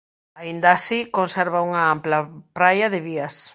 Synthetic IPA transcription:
aind̪ɐːsikonseɾβauŋɐamplɐpɾajɐðɪβiɐs

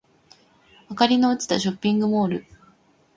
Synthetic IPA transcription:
akaɾʲinoɯt͡sɨ̥t̪aɕo̞pʲːĩŋɡɯ̟mo̞ːɾɯ̟

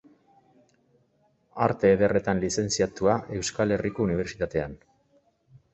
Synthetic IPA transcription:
aɾt̪e̞ːðe̞re̞t̪anlise̞nt͡siat̪uaʔe̞wskale̞riko̞uniβ̞e̞ɾt͡ʃit̪at̪e̞an

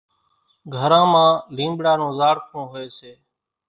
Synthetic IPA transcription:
ɡʱəɾãːmãːlĩːmbɽaːnõːzaːɽkʰõːɦoeːseː

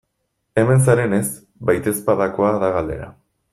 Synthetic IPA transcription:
e̞me̞ns̬aɾe̞ne̞s | bajt̪e̞spaðako̞aðaɣald̪e̞̰ɾa̰

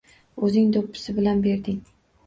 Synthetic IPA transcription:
ɵzɪŋd̪opʰːɪ̥sɪbɪlanbe̞ɾd̪ɪŋ

